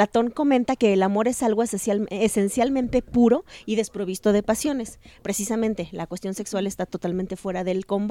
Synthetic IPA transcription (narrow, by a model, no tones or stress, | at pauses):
at̪o̞ŋko̞mẽnt̪ake̞ːlamo̞ɾe̞salɣo̞sese̞nsjalmẽnt̪e̞puɾo̞iðe̞spɾo̞β̞ist̪o̞ðe̞pasjo̞ne̞spɾe̞sisamẽnt̪e̞lakwe̞st̪jo̞nse̞kswale̞st̪at̪o̞t̪alment̪e̞fwe̞ɾaðe̞lko̞mb